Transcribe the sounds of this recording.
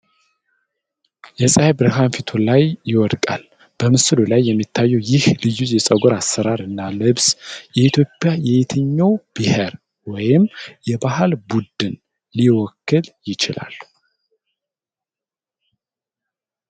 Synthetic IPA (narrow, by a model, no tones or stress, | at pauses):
jɛsʼajbɾɨɦanfit̪ʰulajːɪwɔd̪kʼa̰l | b̥əmɨsɨlulajːɛmːit̪ʰːajːɛwjɪhlɨjuzjɛsʼəɡoɾasːəɾaɾɨnːalɨβsjɛit̪ʰjo̞pʼːjajɛjɪt̪ʰɨɲːawb̥ihɛɾ | wɔjɪmjɛbahɨlbud̪ɨn | liwɔkːɨljɪt͡ʃɪla̰lː